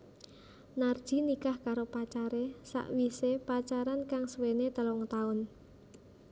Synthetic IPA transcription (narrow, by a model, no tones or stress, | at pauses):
nard̥ʒ̥i̤nikahkaɾopat͡ʃaɾesa̰ʔwisepat͡ʃaɾankaŋswenet̪əlɔŋt̪aʊn